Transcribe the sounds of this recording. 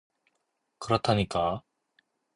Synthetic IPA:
kɯɾʌt̪ʰaɲika

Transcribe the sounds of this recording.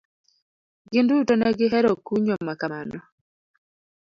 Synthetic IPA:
ɡɪndutɔnɛɡɪɦɛɾɔkuɲomakamanɔ

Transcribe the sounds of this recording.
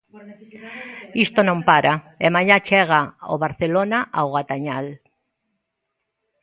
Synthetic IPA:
ist̪onõmpaɾa | emaɲat͡ʃɛɣ̞ao̰βaɾθelonaʔaoɣat̪aɲal

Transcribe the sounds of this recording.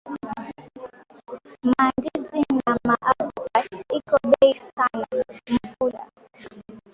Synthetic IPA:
mandizinamaʔavɔkatikɔɓɛisanam̩pula̰

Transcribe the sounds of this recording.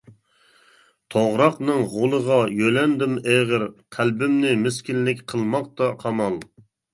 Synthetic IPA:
t̪ʰoʁɾɑqnɨŋʁolˠəʁɑjølɛnd̪ɪmeʁəɾqʰælbɪmnɪmɪskʲilːɪkʲqʰəlˠmɑq̚t̪ɑqʰɑmɑlˠ

